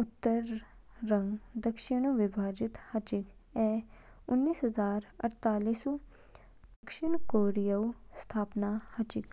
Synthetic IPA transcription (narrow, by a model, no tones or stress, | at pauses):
ʊt̪ːəɾː | ə̃ŋɡd̪əkʃɪɳ̃uʋɪbʱaːd͡ʒɪt̪hət͡ʃɪkɛː | ʊnːiːsɦəzaːɾə̰ɽt̪aːliːsu | d̪əkʃɪɳkoːɾijəust̪ʰaːpnaːhət͡ʃɪk